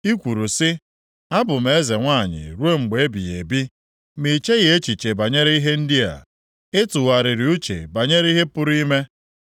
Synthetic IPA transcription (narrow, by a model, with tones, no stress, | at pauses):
i˦kʷu˨ɾu˨sɪ˦ | a˦bʊ˨m̩˨e˨˦e˦ze˨ŋʷa˦˨ɲɪ̰˨ɾu˦e˦ŋ͡m̩˨ɡ͡be˨e˦bi˨ɣe˨bi˦ | mi˨t͡ʃe˦ɣe˦t͡ʃi˨t͡ʃe˨ba˨ɲe˦ɾe˦i˦ɦe˦n̩˦di˦a̰˨ | ɪ˦tʊ˨wa˨ɾɪ˨ɾɪ˨˦u˦t͡ʃḛ˨ba˨ɲe˦ɾi˦ɦe˦pʊ˦ɾi˦me˦